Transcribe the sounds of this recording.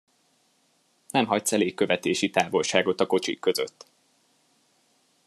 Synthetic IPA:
nɛmɦɒc̪̚sɛleːkːø̞vɛt̪eːʃit̪aːvo̞lʃaːɡo̞t̪ɒko̞t͡ʃḭkːøzø̰t̪ː

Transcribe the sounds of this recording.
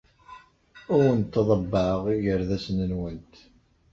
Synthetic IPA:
ʊɾənt̪ːəðˤəbːəʕəʁiʝəɾðæsnənwənt̪

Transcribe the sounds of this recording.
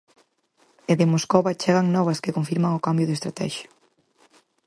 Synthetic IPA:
eðemoskoβɐt͡ʃɛɣɐŋnɔβ̞ɐskɪkoɱfiɾmɐŋokambjʊðest̪ɾat̪ɛ̰ʃʊ̥

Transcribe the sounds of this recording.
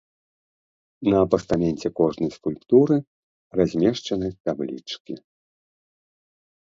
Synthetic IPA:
nɐːpɐst̪amʲɛnʲt͡sʲɛkɔʐnɐjskulʲpt̪uɾɨ | razʲmʲɛʂt͡ʂɐnɨt̪ablʲḭt͡ʂkʲi

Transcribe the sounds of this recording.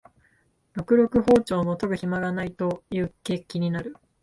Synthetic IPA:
ɾo̞kɯ̟ɾo̞kɯ̟ɦo̞ːt͡ɕo̞ːmot̪oɡɯ̟çimaɡanait̪o̞jɯ̟ːke̞ːkʲiɲ̟inaɾɯ̟

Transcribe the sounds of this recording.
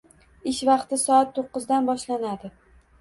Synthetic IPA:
ɪʃvɑqt̪ɪsɒat̪ʰːoqːɨzd̪anbɒʃlanad̪ɪ

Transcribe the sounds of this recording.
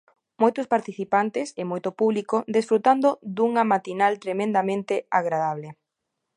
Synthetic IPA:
mojt̪ospaɾt̪iθipant̪ɪsemojt̪opuβlikod̪esfɾut̪and̪od̪uŋamat̪inalt̪ɾemẽnd̪amẽnt̪eaɣɾaðaβ̞le

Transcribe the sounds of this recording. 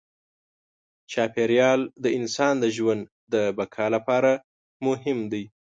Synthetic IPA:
t͡ʃɑpeɾjɑld̪əɪnsɑnd̪əʒwand̪ | d̪əbakʰɑlapɑɾa | mʊɦɪmd̪aj

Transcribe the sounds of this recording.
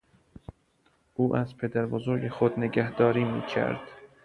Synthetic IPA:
ʔuːʔæzpʰed̪æɾbozoɾɟexod̪neɟæhd̪̥ɒːɾiːmḭːcʰæ̰ɾd̪̥

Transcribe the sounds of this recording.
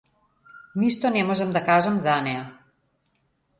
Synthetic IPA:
niʃt̪ɔnɛmɔʒɛmd̪akaʒɛmzanɛja

